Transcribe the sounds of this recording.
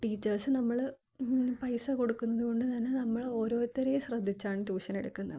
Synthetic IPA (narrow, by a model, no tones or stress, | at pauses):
ʈiːt͡ɕːɐrsɨnɐmːɐɭ | pɐjsɐko̞ɽukːunːɐðuko̞ɳɖɨt̪ɐnːe̞nɐmːɐɭoːɾo̞ːt̪ːɐɾejeɕrɐd̪ʱːit͡ɕːaːɳɨt̪uːɕɐneɽukːunːɐ̰